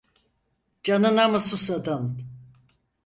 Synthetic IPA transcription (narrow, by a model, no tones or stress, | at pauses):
d͡ʒanɯnamasusad̪an